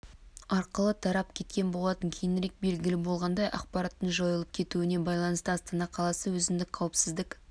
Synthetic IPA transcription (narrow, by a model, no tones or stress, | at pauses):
ɑɾqəlˠət̪ʰɑɾɑp̚kʲʰe̞t̪̚kʲe̞nbo̞lˠɑt̪əŋkʲʰejɪnɪɾe̞k̚be̞lɡʲɪlɪbo̞lˠʁɑnd̪ɑjʔɑ̰qpɑɾɑt̪ːəɴʒojəlˠəp̚kʲʰe̞t̪uɪne̞bɑjlˠɑnəst̪əɑst̪ɑnɑqʰɑlˠɑsəwɵzɪmd̪ɪk̚qʰɑwəpsɪzd̪ɪk